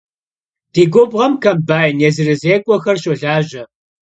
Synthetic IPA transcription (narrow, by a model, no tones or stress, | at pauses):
d̥iːɡʷʊbʁɐmkʰɐmbaːjnjezɨrɨzeːkʷʼɔxɐrɕʼɐɮaːʑɐ